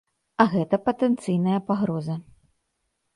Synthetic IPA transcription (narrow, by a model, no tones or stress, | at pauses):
ɐɣɛt̪ɐpɐt̪ɛnt̪sɨjnɐjɐpaɣɾɔzɐ